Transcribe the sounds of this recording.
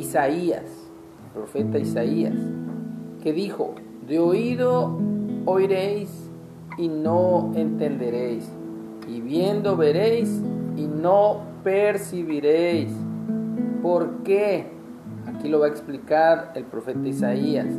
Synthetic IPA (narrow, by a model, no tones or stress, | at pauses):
isaia̰s | elpɾofet̪aisaia̰s | keðixo̰ | d̪eoiðoː | jɾejs | inoent̪end̪eɾejs | iβjend̪oβeɾejsinopeɾsiβiɾejs | poɾke | akilo̞βaeksplikaɾelpɾofet̪aisaia̰s